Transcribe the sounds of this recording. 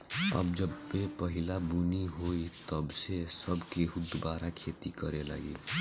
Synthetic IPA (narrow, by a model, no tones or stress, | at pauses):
ə̰bd͡ʒəbːepəɦɪlabuniɦoit̪əbsesəbkeɦʊd̪baːɾakʰeːt̪ikəɾela̰ːɡḭ